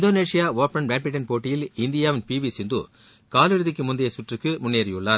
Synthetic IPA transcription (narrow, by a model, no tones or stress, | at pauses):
ɪnd̪oːneːʂɪjaːʋoːpɐnbeːmpɪʈːɐnpoːʈːɪjɪlɪnd̪ɪjaːʋɪnpiːʋisɪnd̪ṵ | kaːlɪɻɯðɪkːɯmʊnd̪ɐjɐsʊʈrɯkːɯmʊnːeːɾɐjɯɭːaːɾ